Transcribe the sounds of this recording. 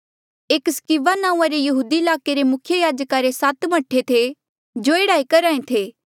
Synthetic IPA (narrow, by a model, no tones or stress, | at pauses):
eːkskiʋanãːũãɾejɐɦuːd̪iɪlaːkeɾemʊkʰjəjaːd͡ʒkaɾesat̪mɐʈʰːet̪ʰe | d͡ʒoeːɽaːikɐɾaːẽt̪ʰeː